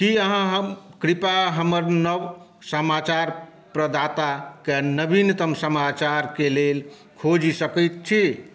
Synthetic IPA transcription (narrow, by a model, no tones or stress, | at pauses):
kiəɦãɦəmkɾipaɦəməɾnəʋ | səmat͡ʃaɾ | pɾəd̪ʱat̪akenəbint̪əmsəmat͡ʃaɾkelel | kʰod͡ʒisəkəjt̪̚t͡ʃʰi